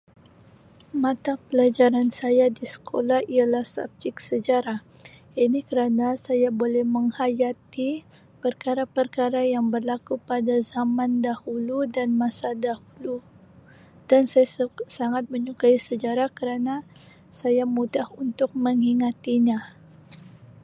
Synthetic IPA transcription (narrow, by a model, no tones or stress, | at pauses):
mat̪apəlad͡ʒaɾansajadisə̥kʰolahialahsa̰b̚d͡ʒɪk̚səd͡ʒaɾah | inikəɾanasajabolɛhməŋhajat̪i | pərkaɾapərkaɾajaŋbərlakupadazamandahuludanmasadahulu | d̥ansajasaŋat̪̚məɲukaisəd͡ʒaɾahkəɾana | sajamudahunt̪ʊk̚məŋiŋat̪iɲa